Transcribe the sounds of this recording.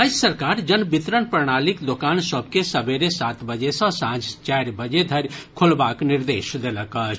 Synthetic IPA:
əd͡ʒsɐɾkaːɾd͡ʒɐnbɪt̪ɾənpəɾɳ̃aːlɪkd̪okaːnsəb̚kesɐbeɾesaːt̪bəd͡ʒesãsãːd͡ʒt͡ʃaːɾbəd͡ʒed̪ʱɐɾkʰʊlbaːknɪɾd̪eːʃd̪eləkət͡ʃ

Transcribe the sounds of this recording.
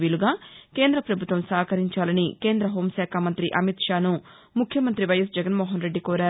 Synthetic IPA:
ʋiːluɡaːke̞ːnd̪ɾɐpɾɐbʱut̪ʋɐmsaːkɐɾiɲt͡ʃaːlɐnike̞ːnd̪ɾɐɦo̞ːmʃaːkʰamɐnt̪ɾiʔɐmit̪ʂaːnu | mukʰjɐmɐnt̪ɾiʋɐjɐs̬d͡ʒɛɡɐnmoːɦɐnɾe̞ɖːikoːɾaːɾ

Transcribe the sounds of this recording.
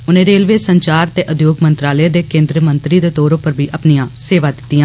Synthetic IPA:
ʊnẽːɾeːlʋeːsəɲt͡ʃaːɾt̪eːʔʊd̪ʱjoːɡmənt̪ɾaːləeːd̪eːkẽːnd̪ɾəmənt̪ɾiːd̪eːt̪ɔːɾõpəɾbʱiːʔəpnijãːseːʋaːd̪ɪt̪ːiːjãː

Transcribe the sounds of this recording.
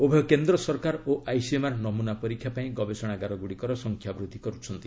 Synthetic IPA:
obʱeɔkend̪ɾɔsɔɾkaɾoʔajsiemaɾnɔmunapɔɾikʰjapaĩɡɔbesɔɽ̃aɡaɾɔɡuɽikɔɾɔsɔŋkʰjabɾud̪ʱːikɔɾut͡ʃʰɔnt̪i

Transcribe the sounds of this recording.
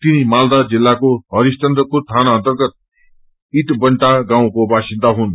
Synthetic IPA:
t̪inimald̪ad͡zilːakoɦʌɾist̪ʌnd̪ʌkot̪ʰanaʌnt̪ʌrɡʌt̪̚ | iʈbʌɳʈaɡãw̃kobasind̪aɦun

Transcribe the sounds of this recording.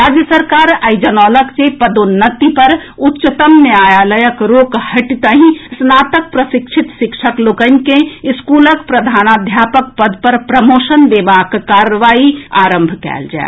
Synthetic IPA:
ɾaːd͡ʒjəsəɾkaːɾəɪd͡ʒənɔːləkt͡ʃepəd̪onːət̪ipɐɾʊtːt͡ʃət̪əmneaːjaːləjəkɾoːkhɐʈit̪əɦĩsnaːt̪ək̚pɾəsɪkʃʰɪt̪ʃɪkʃəkloːkənkeɪskuːləkpɾəd̪ʱaːnaːd̪ʱjaːpək̚pəd̪pɐɾpɾəmoːʃənd̪eːbaːkːaːɾəʋaːia̰ːɾə̃mbʱkɛ̰ːld͡ʒa̰ḛ

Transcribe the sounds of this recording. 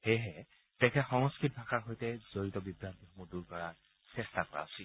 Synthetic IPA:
xejɦɛ | tɛkʰɛxɔŋskɹit̚bʱakaɹɦojtɛzoɹitɔbibɹantixɔmuduɹkɔɹaɹ | sɛstakɔɹa̰ʊsi

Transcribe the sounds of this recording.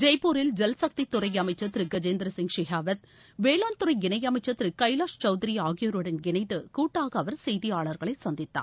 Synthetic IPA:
d͡ʒɛjpoːɾɪld͡ʒɛlsɐk̚t̪it̪ːʊɾɐɪjɐmɐɪt͡ʃːɐt̪ːɪɾɯɡɐd͡ʒeːnd̪ɾɐsɪŋʂɪɦaːʋɐt̪ | ʋeːlaːnt̪ʊɾɐɪɡɪnɳɐjɐmɐɪt͡ʃːɐt̪ːɪɾɯkɐɪlaːʂt͡ʃɐʊðɪɾɪjaːɣɪjoɾɯɽɐnɡɪɳɐɪðɯkuːʈːaːɣɐɐʋɐɾsɛjðɪjaːɭɐɾɣɐɭɐɪsɐnd̪ɪt̪ːa̰ː

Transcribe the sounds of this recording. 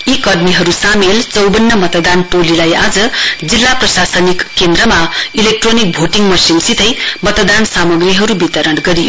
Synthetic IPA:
jikʌrmiɦʌɾusamelt͡sʌwbʌnːʌmʌt̪ʌd̪anʈolilajad͡zʌd͡zilːaprʌsasʌnikːend̪ɾʌmailek̚ʈronik̚bʱoʈiŋmʌsimsit̪ʌjmʌt̪d̪ansamʌɡriɦʌɾubit̪ʌɾʌnɡʌɾijo

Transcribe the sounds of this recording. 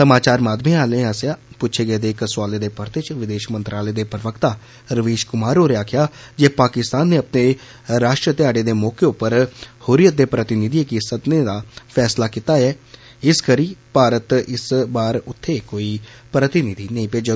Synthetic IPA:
səmaːt͡ʃaːɾmaːd̪mĩːaːlẽːaːsjaːpʊtːt͡ʃʰeːɡəeːd̪eːkswaːleːd̪eːpəɾt̪et͡ʃʋɪd̪eːʃmənt̪ɾaːleːd̪eːpɾəʋəkt̪aː | ɾəʋeːʃkʊmaːɾoːɾeaːkʰjaːd͡ʒeːpaːkɪst̪aːnːeːəpneː | ɾaːʃʈɾət̪ɪaːɖeːd̪eːmɔːkeʊpːəɾhʊɾijət̪̚d̪eːpɾət̪ɪnɪd̪iekisəd̪neːd̪aːpʰɛːslaːkiːt̪aːɛː | ɪskəɾiːpaːɾət̪ɪsbaːɾʊt̪ʰːeːkoːiːpɾət̪ɪnɪd̪iːnəĩːpeːd͡ʒə

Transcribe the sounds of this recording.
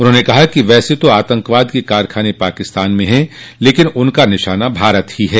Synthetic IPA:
ʊnɦõːnekɐɦakiʋɛːset̪oaːt̪ə̃ŋkʋaːd̪kikaːɾkʰaːnepaːkɪst̪aːnmẽɦɛ̃leːkɪnʊnkanɪʃaːnabʱaːɾət̪hiɦɛː

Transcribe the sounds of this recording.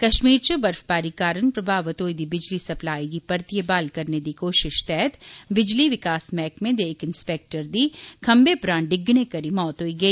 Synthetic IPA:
kɐʃmiːɾt͡ʃobɐɾfbaːɾikaːɾənpɾɐbʱaːʋət̪oːid̪ibɪd͡ʒlisɐplaːikipɐɾt̪ijəbaːlkɐɾned̪ikoːʃɪʃt̪ɛɦɛt̪bɪd͡ʒliʋɪkaːsmɛːkmẽd̪eːkɪ̃nspeːk̚ʈəɾd̪ikʰɐmbepɾãːɳɖɪɡñekɐɾimɔːt̪ɦoːiɡɐiː

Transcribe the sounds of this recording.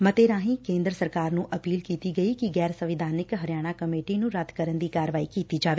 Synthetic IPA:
mət̪eːɾãːɦĩːkẽːnd̪ɾəsəɾkaːɾnũːʔəpiːlkiːt̪iɡəiːkiɡɛːɾsəʋɪd̪ʱaːnɪkɦəɾɪjaːɽ̃aːkəmeːʈinũːɾɐd̪ʱkəɾənd̪iːkaːɾəʋaːiːkiːt̪iːd͡ʒaːʋeː

